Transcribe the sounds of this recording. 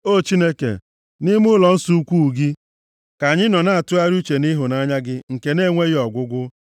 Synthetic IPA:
o˦˨t͡ʃi˦ne˦kḛ˨ | nɪ˦mʊ˦lɔ˨n̩˦su˦u˦kʷu˦˨ɡi˦ | ka˨ɲɪ˦nɔ˨na˦a˨tʊ˦a˦ɾu˦t͡ʃe˨ni˦ɦʊ˨na˦ɲa˦ɡɪ˦ŋ̩˨ke˨ne˦˨ŋʷe˦ɣɪ˦ɔ˨ɡʷʊ˦ɡʷʊ˦

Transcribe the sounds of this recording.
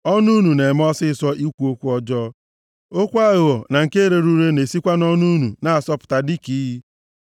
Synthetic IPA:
ɔ˦nu˦nu˨ne˨m˦ɔ˦sɪ˦sɔ˦ʔi˦kʷu˨˦o˦kʷu˦ɔ˦d͡ʒɔː˦ | o˦kʷa˦ɣɔ˨na˨ŋ̩˨ke˦ɾe˨ɾu˦ɾe˦ne˨si˦kʷa˦nɔ˦nu˦nu˨na˨a˨sɔ˦pʊ̥˨ta˨di˦ki˨˦ɦi˦

